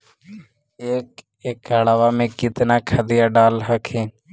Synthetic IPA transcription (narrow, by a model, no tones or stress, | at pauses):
eːk | eːkɦəɽaːʋamẽkɪt̪naːkʰəd̪ɪjaɖaːlɦəkʰẽː